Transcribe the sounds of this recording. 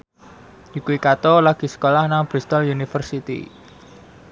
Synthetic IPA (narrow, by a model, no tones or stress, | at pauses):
jikuikat̪ɔlaɡ̥i̤sə̥kolahnaŋb̥ɾist̪ɔljunifərsit̪ḭ